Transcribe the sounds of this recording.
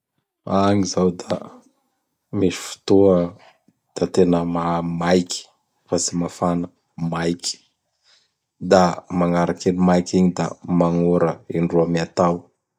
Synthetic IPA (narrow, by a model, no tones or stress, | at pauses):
aŋizawd̪a̰ | miʃi̥fu̥t̪uə | d̪̥at̪enəmamajkʲi̥ | fasimafanə | majkʲi̥ | d̪amaŋaɾakenimajkiɲid̪a̰maŋoɾəiɳɖ͡ʐuamiat̪aw